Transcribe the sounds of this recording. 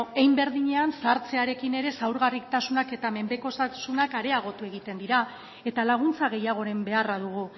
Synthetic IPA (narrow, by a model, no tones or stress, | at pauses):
ejmbe̞ɾðiɲe̞ansaɾt͡se̞aɾe̞kine̞ɾe̞sawɾɣarikt̪asunake̞t̪ame̞mbe̞ko̞sasunakaɾe̞aɣ̞o̞t̪ue̞ɣit̪e̞nd̪iɾa | e̞t̪alaɣ̞unt͡saɣ̞e̞jaɣ̞o̞ɾe̞mbe̞araðuɣ̞u